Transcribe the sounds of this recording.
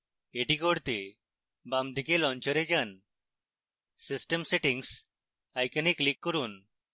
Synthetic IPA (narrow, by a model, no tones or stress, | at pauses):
eʈikoɽt̪e | bamd̪ikelɔnt͡ʃəɾed͡ʒan | sisʈemseʈiŋs | ajkaniklikːɔɾun